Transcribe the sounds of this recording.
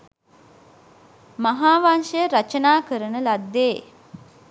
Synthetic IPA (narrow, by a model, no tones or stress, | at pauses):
maɦaːʋanʃəjəɾat͡ʃənaːkəɾənəlad̪ːeː